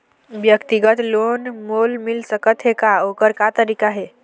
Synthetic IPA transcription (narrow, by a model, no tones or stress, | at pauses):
bjəkt̪iɡət̪lonmolmilsəkət̪ɦekaokəɾkat̪əɾikaɦe